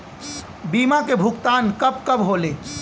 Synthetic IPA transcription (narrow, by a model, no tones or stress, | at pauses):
biːmakebʱʊkt̪aːnkəbkəbɦole